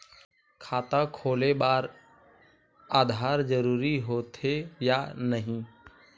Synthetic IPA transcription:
kʰaːt̪ãkʰoːleɓaːɾ | aːd̪ʱaːɾd͡ʒəɾuːɾiɦoːt̪ʰejanəɦĩː

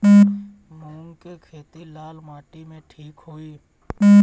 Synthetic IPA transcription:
mʊ̃ːŋkekʰeːt̪ilaːlmaːʈimẽʈʰiːkɦoːiː

